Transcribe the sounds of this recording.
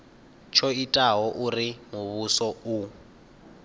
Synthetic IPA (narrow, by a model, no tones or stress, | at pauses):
t͡ʃʰɔitʼaɦɔʔurimuβusɔu